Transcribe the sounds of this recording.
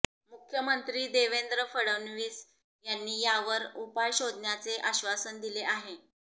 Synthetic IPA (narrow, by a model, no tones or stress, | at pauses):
mukʰjəmənt̪ɾiːd̪eʋend̪ɾəfəɽəʋnʋiːs | janːiːjaʋəɾupajɕod̪ʱnjat͡seʔaɕʋasənd̪ileʔaɦe